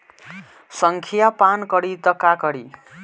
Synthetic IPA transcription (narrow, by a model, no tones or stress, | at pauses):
sʌŋkʰijapankʌɽit̪ʌkakʌɽi